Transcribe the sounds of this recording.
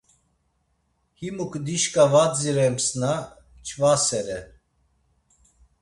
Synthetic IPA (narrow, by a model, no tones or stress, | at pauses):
himukʰd̪iʃkʼavad͡ziɾɛmsna | t͡ʃʰvasɛɾɛ